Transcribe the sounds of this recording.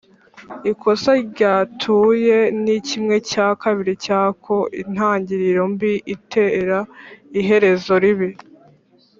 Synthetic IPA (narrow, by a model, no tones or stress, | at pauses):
ikʰo̞saɾɟaːtʰuːje̞nicimŋe̞caːkaβiɾicaːkʰo̞ʔḭn̥haːɲɟiɾiɾombiʔitʰeɾaiɦe̞ɾe̞zo̞ɾiβi